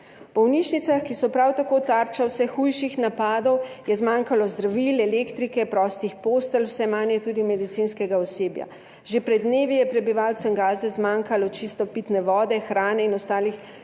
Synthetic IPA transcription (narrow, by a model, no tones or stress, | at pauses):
bɔwnit͡ʃnit̪saxkisɔpɾawt̪akoːt̪aɾt͡ʃawsɛxujʃixnapaːd̪ɔwjɛzmaːŋkalɔzd̪ɾaʋilɛlekt̪ɾikɛpɾɔːst̪ixpost̪əlwsɛmanjɛt̪uːd̪imɛd̪it̪sinskɛɡaɔseːbja̰ | ʒepɾɛd̪neːʋijɛpɾɛbiʋalt̪sɛnɡaːzɛzmaŋkalɔt͡ʃist̪ɔpit̪nɛʋɔːd̪ɛxɾaːnɛinɔst̪aːlix